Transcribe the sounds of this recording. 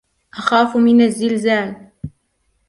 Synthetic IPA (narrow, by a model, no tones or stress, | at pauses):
ʔaxaːfmɪnazːɪlzaːl